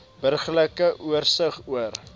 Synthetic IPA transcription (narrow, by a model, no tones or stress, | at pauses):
b̥ərχləkəʔuərsəχuər